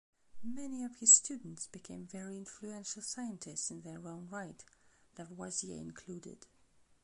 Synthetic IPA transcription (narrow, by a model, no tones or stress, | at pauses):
mɛniʌv̥hɪz̥stʉdⁿn̩tsb̥ɨkʰẽɪ̃ɱvɛɹiɪ̃nfluɛ̃nʃl̩ˠsaɪɨ̃ntʰɪstsɨ̃nðə˞õʊ̃nɹaɪtðətwaziɛ̰ɪ̰̃nkʰl̥udɪ̰d̥